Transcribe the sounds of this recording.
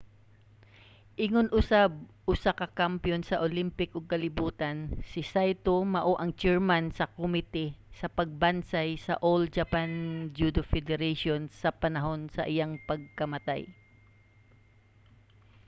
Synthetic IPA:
ʔɪŋonʔʊsab̚ʔʊsakɐkampjonsɐʔolimpɪkʔoɡ̚kɐlɪbuːt̪ɐnsɪsajt̪omɐʔoʔɐŋt͡ʃɛɹmansɐkomɪt̪ɛsɐpɐɡ̚bansajsɐ̰ʔol̚d͡ʒɐpand͡ʒud̪ofɛd̪ɛɾaʃonsɐpɐnɐɦo̞nsɐ̰ʔɪjaŋpɐɡ̚kɐmɐt̪a̰j

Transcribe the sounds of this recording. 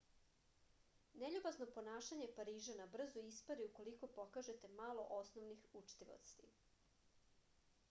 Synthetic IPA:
neʎubazno̞ponaːʃaɲe̞paɾiːʒanabr̩zuispaɾiuko̞liko̞po̞kaʒe̞t̪e̞maːlo̞ʔo̞snoʋnixut͡ʃt̪iʋo̰t̪st̪i

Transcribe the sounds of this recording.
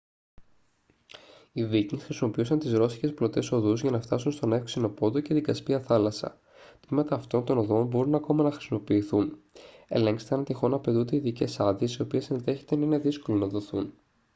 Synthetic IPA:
iviknisxɾisimo̞piusɐnt̪izɾo̞si̥çe̞splo̞t̪e̞so̞ðuzʝɐnɐft̪ɐsunst̪o̞ne̞fksino̞po̞d̪oce̞t̪iɡɐspiɐθɐlɐsɐ̰ | t̪mimɐt̪ɐːft̪o̞nt̪o̞noðo̞nbo̞ɾunɐko̞mɐnɐxɾisimo̞piːθunḛle̞ŋkst̪ɐnɐt̪ixo̞nɐped̪und̪e̞iðice̞sɐðiesio̞pie̞sineðe̞çe̞̥t̪enɐine̞ðisko̞lo̞nɐðo̞θun

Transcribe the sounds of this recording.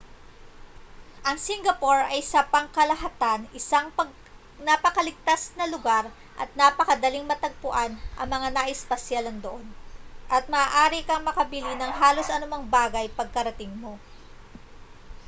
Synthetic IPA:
ʔɐŋsɪŋɡɐpoɹɐjsɐpɐŋkɐlɐɦɐt̪anʔɪsaŋpɐ | nɐpɐkɐlɪɡ̚t̪asnɐlʊɡaɾ | ʔɐ̰t̪̚napɐkɐd̪ɐlɪŋmɐt̪ɐɡ̚pʊʔanʔɐ̰ŋmɐŋanaːʔɪspɐsjalɐŋd̪ɐʔo̞nʔɐt̪̚mɐʔaːʔaːɾikɐŋmɐkɐbilinɐŋɦaːlo̞sʔɐnʊmɐŋbaːɡɐjpɐɡ̚kɐɾɐt̪ɪŋmo̞

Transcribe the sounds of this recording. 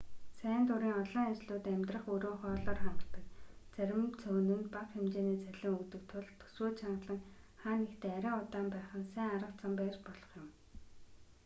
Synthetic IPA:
sæːnt̪ʊɾiːŋɔɮɞ̆ŋjat͡ɕɮʊːt̪æmʲt̪rə̆χɵɾoːχɔːɮɔːrχaɴt̪ə̆ɬt̪ə̆k̚t͡sæɾʲɪ̆mt͡sʰɵwnɘ̆npaqxemt͡ɕeːniːt͡sʰæɮɪ̆ŋɵkt̪ɵ̆k̚t̪ʰʊɮt̪ʰɵ̥swoːt͡ɕʰaɴɢɮə̆ŋ | χaːnekt̪eːæɾʲæːʊt̪aːmpæːχə̆nsæːŋaɾə̆qt͡sʰămpæːt͡ɕpɔɮɞ̆χjɪ̆m

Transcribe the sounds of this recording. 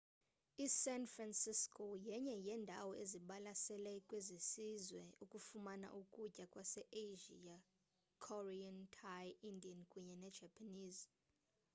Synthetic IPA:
isɛnfransiskʰʼojɛɲɛjɛːndʱawɔʔeziɓalasɛlɛkʼwezisizwɛukʼufumana̰ʔukʼucʼakʼwasɛʔeʒḭa | kʰɔriantʰajindʱiankʼuɲɛnɛd̥ʒ̥ʱapʰʼaniːz

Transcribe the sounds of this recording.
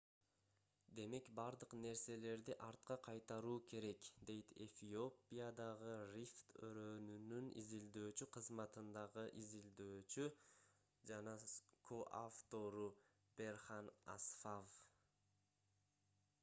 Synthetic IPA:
d̪e̞me̞kbɑɾd̪ɯqne̞ɾse̞le̞ɾd̪iʔɑɾt̪̚qɑqʰɑjt̪ɑɾuːke̞ɾe̞kd̪e̞jt̪ʰefʲio̞pʲːijad̪ɑʁɯrʲift̪ʰø̰ɾøːnynynḭzild̪ø̞ːt͡ʃyqʰɯzmɑt̪ɯnd̪ɑʁɯʔizild̪øːt͡ʃy | d͡ʒɑnɑkʰoʔa̰ft̪o̞ɾu | pe̞ɾχana̰sfav

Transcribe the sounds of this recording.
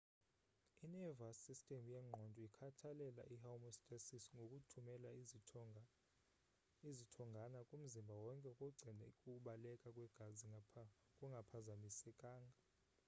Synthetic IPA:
inɛvasistʼɛmjɛŋ͡ǃʱɔntʼɔikʰatʰalɛla̰ʔiɦawmɔstʼɛsisŋɡʱokʼutʰumɛla | izitʰɔŋɡʱanakʼum̩zimbʱawɔŋkʼɛkʼɔɡ͡ǀʱinɛkʼuɓalɛkʼakʼwɛɡ̥ʱazi | kʼuŋɡʱapʰazamisɛkʼaːŋɡʱa

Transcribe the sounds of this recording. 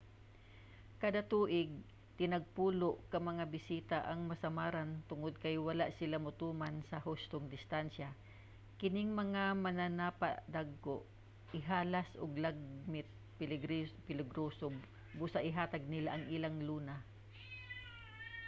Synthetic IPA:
kad̪at̪uːʔɪɡ̚ | t̪ɪnɐɡ̚puːloʔkɐmɐŋabɪsiːt̪aʔɐŋmɐsɐmaːɾant̪ʊŋod̪̚kɐjwɐlaʔsɪlamʊt̪uːmansɐhʊst̪oŋd̪ɪst̪anʃa | kɪnɪŋmɐŋamɐnanapad̪aɡkoʔ | ɪɦaːlasʔʊɡlaɡ̚mɪt̪̚ | pɪlɪɡɾipɪlɪɡɾoːso | busaʔɪɦaːt̪aɡ̚nɪlaʔɐŋʔilaŋluːna

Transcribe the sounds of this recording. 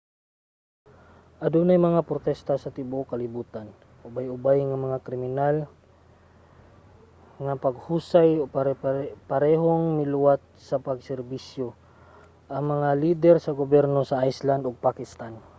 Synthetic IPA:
ʔɐd̪unajmɐŋapɾot̪ɛst̪asɐt̪ɪboʔokɐlɪbuːt̪an | ʔʊbajʊbajŋamɐŋakɾɪmɪnal | ŋapɐɡ̚huːsajo | paɾɛːɦoŋmɪluwat̪̚sɐpɐɡsɛɾbisjo | ʔɐŋmɐŋaliːd̪ɛɾsɐɡobɛɾnosɐʔajsland̪oɡ̚pakɪst̪an

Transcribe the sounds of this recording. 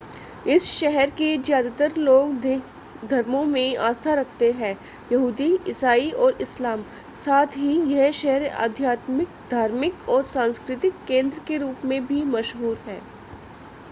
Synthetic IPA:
ɪsʃɛɦɛɾkezjaːd̪at̪əɾloːɡ̪ | d̪ʱɐɾmõmẽaːst̪ʰaɾɐkʰt̪eɦɛ̃ː | jɐɦuːd̪iɪsaːiɔːɾɪslaːm | saːt̪ʰɦijɛɦʃɛɦɛɾa̰ːd̪ʱjaːt̪mɪk̚d̪ʱaːɾmɪkɔːɾsãːnskɾɪt̪ɪkːẽːnd̪ɾəkeɾuːpmẽbʱimɐʃɦuːɾɦɛ̃ː

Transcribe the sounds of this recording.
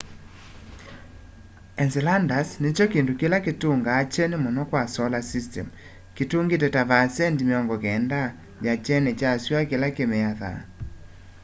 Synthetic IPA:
ɛnsɛlandasnet͡ʃɔkendokelaketoŋɡaːt͡ʃɛnemɔnɔkwasɔlasistɛ̰m | ketoŋɡetɛtaβasɛntimeɔŋɡɔkɛnda | jat͡ʃɛnet͡ʃasjwakelakemɛaða̰

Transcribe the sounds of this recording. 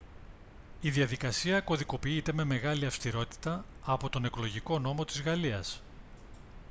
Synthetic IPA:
iðiɐðikɐsiɐko̞ðiko̞piit̪e̞me̞me̞ɣɐliɐfst̪iɾo̞t̪i̥t̪ɐːpo̞t̪o̞ne̞klo̞ʝiko̞no̞mo̞t̪izɣɐliɐs

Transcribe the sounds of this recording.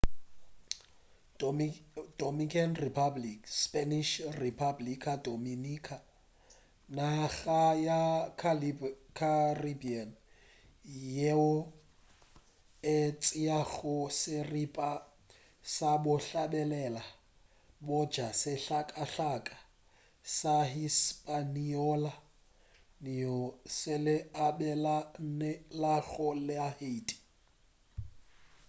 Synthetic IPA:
domikʰʼanripʰablikʰʼspʼɛniʃripʰablikʰadominikʰa | naɣajakʰkʰaribian | jeʊ | ɪt͡sʼɪaɣʊsɪripʼa | sabʊɬabɛlɛla | bʊd͡ʒasɪɬakʼaɬakʼḁ | sahispʼaniɔla | nijɔsɪlɪabɛlanɛlaɣʊlɪaheidʼi̥

